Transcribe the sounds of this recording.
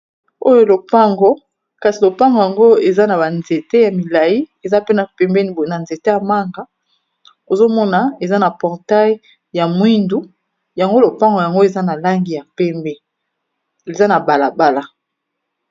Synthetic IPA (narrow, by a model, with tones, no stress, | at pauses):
o˦jo˦lo˨pa˦ŋɡo˦ | ka˨si˨lo˨pa˦ŋɡo˨ja˨ŋɡo˦e˨za˦na˨ba˨nze˨te˦ja˨mi˨la˨ji˦e˨za˦pe˦na˨pɛ˨mbe˦n˨na˨nze˨te˦ja˨ma˦ŋɡa˨˦ | o˨zo˦mɔ˦na˨e˨za˦na˨pɔ˨ʁta˦j | ja˨mwi˦ndu˦ | ja˨ŋɡo˦lo˨pa˦ŋɡo˨ja˨ŋɡo˦e˨za˦na˨la˦ŋɡi˨ja˨pɛ˦mbɛ˦ | e˨za˦na˨ba˨la˨ba˦la˦